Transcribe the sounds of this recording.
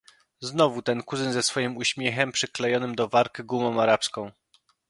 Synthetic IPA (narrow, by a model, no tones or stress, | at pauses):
znɔvut̪ɛnkuzɘnzɛsfɔjimuɕmʲjɛxɛmpʂɘklɛjɔnɘmd̪ɔvaɾkɘɡumɔ̃w̃aɾapskɔ̃w̃